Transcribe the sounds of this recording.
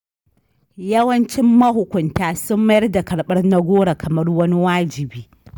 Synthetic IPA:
jɐ˦wɐ˦nt͡ʃɪ˦mːɐ˦ɦʊ˨kʷʊ˨ntaː˨sʊ˦mːɐ˦jɐ˦rda˨kɐ˨ɽɓɐ˦rna˦ɡʷoː˦ɽa˨kʰɐ˨mɐ˦rwɐ˦ni˦waː˦d͡ʒɪ˨biː˦

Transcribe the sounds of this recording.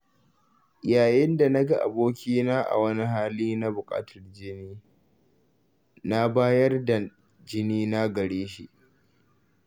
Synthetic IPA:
jaː˨jɪ˦nda˨na˦ɡa˦ʔa̰˨boː˦kʲiː˦naː˦ʔa̰˨wɐ˦ni˦ɦaː˦liː˦na˦bʊ˨kʼa̰ː˦tʰɐ˨rd͡ʒɪ˦niː˦ | na˦baː˦jɐ˦rda˨ | d͡ʒɪ˦niː˦na˦ɡɐ˨ɽeː˦ʃḭ˦ʔ

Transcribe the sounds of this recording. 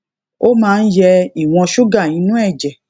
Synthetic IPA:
o˦mãː˦˧n̩˦jɛ˧i˨w̃ɔ̃˧ʃu˦ɡa˦˨nĩ˨˦nũ˦ɛ˦˨d͡ʒɛ˨

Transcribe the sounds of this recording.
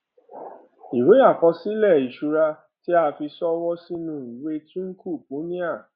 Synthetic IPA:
i˨ɾo˨˦a˦˨kɔ˧si˦lɛ˦˨i˨ʃu˧ɾa˧ | ti˦a˧fi˧sɔ˦wɔ˦si˦nũ˦˨we˦tũ˦ŋ̩˦ku˦˨pu˨˦nĩ˦a˦˨

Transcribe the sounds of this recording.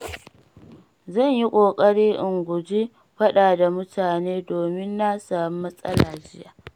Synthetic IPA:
zɐ˦˨ɲji˦kʷʼoː˨kʼɐ˦ɽiː˦ʔɪ˨ŋɡʷʊ˨d͡ʒi˦ | ɸɐ˦ɗaː˨da˨mʊ˦tʰaː˨neː˦doː˨mɪ˦nːa˦saː˨mu˦mɐ˦sʼɐ̰˦laː˨d͡ʒɪ˦jaː˨

